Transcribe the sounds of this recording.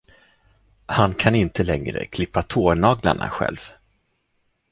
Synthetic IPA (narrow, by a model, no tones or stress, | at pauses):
hankʰanɪnt̪əlɛŋɾə̰kʰlɪpːat̪ʰoːɳɑːɡla̰ɳa̰ɧɛ̰lv